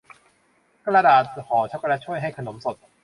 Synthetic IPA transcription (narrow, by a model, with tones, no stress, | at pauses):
kʰa˥la˧daː˨˩t̪̚hʰɔː˨˩˦t͡ɕʰa˦˥ka˧la˦˥t͡ɕʰu˥˩əjɦa˥˩jkʰa˧no˩˦mso˨˩t̪̚